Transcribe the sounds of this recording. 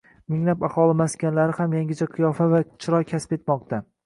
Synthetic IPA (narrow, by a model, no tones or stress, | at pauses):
mɪŋlapahɒlɪmaskʲʰanlaɾɪhamjaŋɡʲɪt͡ʃʰaqʰɨjɒfavat͡ʃʰɪɾɒjkʲʰaspe̞t̪mɒq̚t̪ʰa